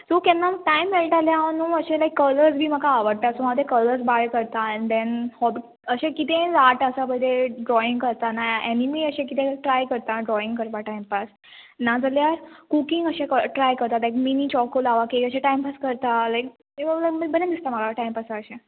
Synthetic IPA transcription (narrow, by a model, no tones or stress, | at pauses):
sokɛ̃nːaməʈajmʋelʈaljanũːəɕẽlajkːələɾd͡zbʱiːməkaːʋəɽt̪asomad̪ekələɾsbaɭkəɾt̪ãnd̪ɛnhɔbi | əɕẽkit̪ẽlaʈəsabəd̪eɖɾɔĩŋɡkəɾt̪anaenimiəɕẽkit̪ẽʈɾajkəɾt̪aɖɾɔiŋɡkəɾʋaʈajmpas | nad͡zəljakukiŋɡəɕekəʈɾajkəɾt̪at̪lajkminit͡ɕɔkolaʋakekəɕẽʈajmpaskəɾt̪alajk̚ | elajkməbəned̪ist̪amaɡaʈajmpasaəɕẽ